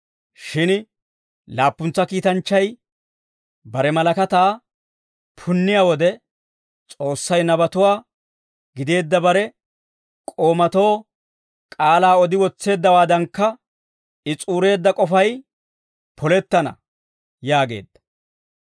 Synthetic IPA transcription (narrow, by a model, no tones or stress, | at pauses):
ʃɪn | laːpːʊnt͡sːɐkiːt̪ɐnt͡ʃːɐj | bɐɾɛmɐlɐkɐt̪aː | pʰʊnːɪjawɔd̪ɛ | t͡sʼo̞ːsːɐjnɐbɐt̪ʊwaː | ɡɪd̪e̞ːd̪ːɐbɐɾɛ | kʼo̞ːmɐt̪o̞ː | kʼaːlaːɔd̪ɪwɔt͡sːe̞ːd̪ːɐwaːd̪ɐŋkːɐ | ɪt͡sʼuːɾe̞ːd̪ːɐkʼɔfɐj | pʰɔlɛt̪ːɐnɐ̰ | jaːɡe̞̰ːd̪ːɐ̥